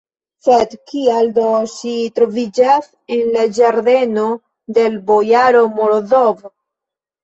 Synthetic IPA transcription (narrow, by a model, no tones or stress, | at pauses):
set̪kiald̪osit̪ɾovid͡ʒaθ | enlad͡ʒaɾðeno | d̪elbojaɾomoɾoðov